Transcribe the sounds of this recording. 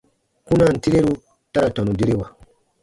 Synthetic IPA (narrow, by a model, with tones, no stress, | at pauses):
kũ˦na˦˨n̩˨ti˦ɾe˦ɾu˦ | ta˦ɾa˨tɔ˨nũ˨di˦ɾe˦wa˨